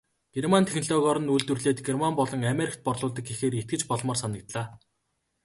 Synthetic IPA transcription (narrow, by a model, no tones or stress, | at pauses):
ɡ̥ermant̪ʰexʲnɮɔːɣɔɾɞ̆nuɮt̪ŭrɮeːt̪ɡermampɔɮɞ̆ŋameɾʲikt̪̚pɔrɮʊːɮt̪ə̆kexeːɾet̪̚ɡɘ̆t͡ɕpɔɮmɔːrsanə̆k̚t̪ɮaː